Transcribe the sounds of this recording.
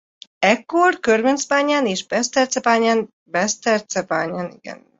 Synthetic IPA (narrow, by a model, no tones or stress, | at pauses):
ɛkːorkørvɛnsbaːɲaːneːʒbɛst̪ɛrsɛbaːɲaːn | bɛst̪ɛrt̪sɛba̰ːɲaːnḭɡɛ̰n